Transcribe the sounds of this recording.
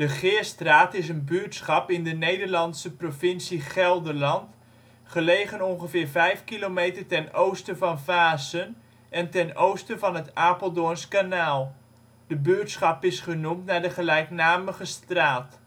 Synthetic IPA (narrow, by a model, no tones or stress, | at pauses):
d̥əχɪːɹstraːtɪsənbyətsχɑpɪndənejdəɹlɑntsəprovɪnsiχɛlˠdəɹlɑnt | χəlejχənɔnχəvɪːɹvɛjfkilomejtəɹtɛnowstəvɑnvaːzən | ɛntɛnowstəvɑnɦətaːpəlˠdʊnskanaːlˠ | dəbytsχɑpɪsχənumtnaːɹdəχəlɛjknaːməχəstraːt